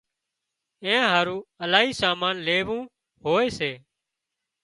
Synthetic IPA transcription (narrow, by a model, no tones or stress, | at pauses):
ẽːɦaːɾũːəlaːɦiːsaːmaːnleːʋũː | ɦoːeːseː